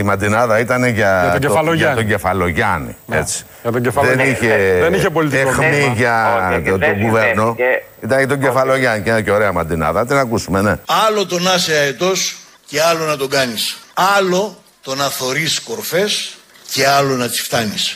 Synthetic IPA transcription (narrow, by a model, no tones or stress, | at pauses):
imɐnd̪inɐðɐit̪ɐne̞ʝɐɐoɟeɐloʝɐoɟefɐlo̞ʝɐnḭḛt͡si̥ | ɐt̪oɟefðeniçeeniçepolit̪exmiʝɐooɡuveɾno̞ | it̪ɐneʝɐt̪o̞ɲɟ̪efɐlo̞ʝɐnicenɐceoɾeɐmɐnd̪inɐ̰ðɐɐt̪inɐkusume̞neɐlo̞t̪o̞nɐseɐet̪o̞s | ce̞ɐlo̞nɐt̪oɡɐnisɐlo̞ | t̪o̞nɐθo̞ɾisko̞ɾfe̞s | ce̞ɐlo̞nɐt͡si̥ft̪ɐnis